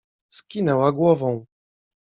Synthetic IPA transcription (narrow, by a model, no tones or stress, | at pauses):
skʲinɛwaɡwɔvɔ̃w̃